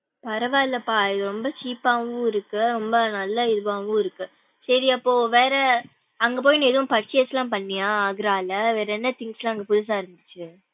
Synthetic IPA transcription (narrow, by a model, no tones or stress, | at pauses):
pɐɾɐʋaːɪlːɐpːaːɪðɯɾɔmbɐt͡ʃiːpːaːʋɯ̃ɪɾɯkːɯɾɔmbɐnɐlːɐɪðɯʋaːʋɯ̃ɪɾɯkːɯ | sɐɾiɐpːoːʋeːɾɐ | ɐŋɡɐp̬oːjinãːɛðɐʋʊ̃pɐʈt͡ʃːɪjɐslãːpɐɳːɪjãːaːɣɪɾaːlɐʋeːɾɐɛnːɐt̪ɪŋɡslãːɐŋɡɐpʊðɯs̬aːɪɾɯnd̪ɯt͡ʃːɯ